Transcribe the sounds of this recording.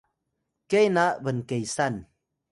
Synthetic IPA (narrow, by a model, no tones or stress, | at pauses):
kejnaʔbənkejsan